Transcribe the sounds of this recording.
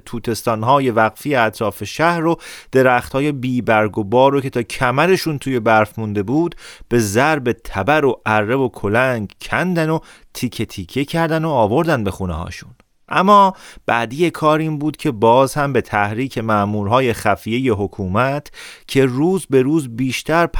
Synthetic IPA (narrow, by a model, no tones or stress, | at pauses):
t̪ʰuːt̪ʰe̞st̪ɒːnɦɒːje̞væɣfijeæt̪ʰɾɒːfe̞ʃæhɾɾod̪̥e̞ɾæχt̪hɒːje̞biːbæɾɡobɒːɾocʰe̞t̪ʰɒːcʰæmæɾe̞ʃunt̪ʰuːje̞bæɾfmund̪e̞buːd̪b̥e̞zæɾbe̞t̪ʰæbæɾoʔærːebo̞kʰo̞læŋɡcʰænd̪æno̞ | t̪ʰiːcʰet̪ʰiːcʰecʰæɾd̪ænoːvo̞ɾd̪ænd̪be̞xuːnehɒ̰ːʃun | ʔæmːɒːb̥æːd̪ijekʰɒːɾiːnbuːd̪cʰe̞bɒːzhæmbe̞t̪ʰæhɾiːcʰe̞mæʔmuːɾɦɒːje̞χæfije̞jeɦo̞kʰuːmæt̪ʰcʰe̞ruːzbe̞ɾuːzbiːʃt̪ʰæɾpʰ